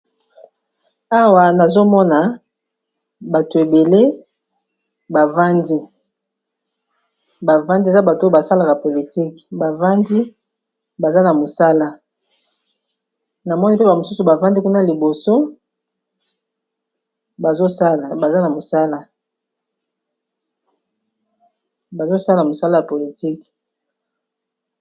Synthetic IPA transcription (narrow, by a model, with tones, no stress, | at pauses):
a˦wa˨na˨zo˦mɔ˦na˨ | ba˨to˨e˨be˨le˦ | ba˨va˦ndi˦ | ba˨va˦ndi˦˨za˦ba˨tba˨sa˦la˨ka˨po˨li˨ti˦kba˨va˦ndi˦ | ba˨za˦na˨mo˨sa˦la˦ | na˨mɔ˦ni˦pe˦ba˨mo˨su˦su˨ba˨va˦ndi˦ku˦na˦li˨bo˨so˦ | ba˨zo˦sa˦la˨ba˨za˦na˨mo˨sa˦la˦ | ba˨zo˦sa˦la˨mo˨sa˦la˦ja˨po˨li˨ti˦k